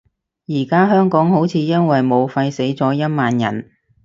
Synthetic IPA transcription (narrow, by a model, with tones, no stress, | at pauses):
jiː˨˩kaː˥ɦœː˥ŋkɔː˨˥ŋho˨˥wt͡sʰiː˨˧jɐ˥nwɐ˨jmo˨˧wfɐ˧jse˨˥jt͡sɔː˨˥jɐ˥t̚maː˨njɐ̰˨˩n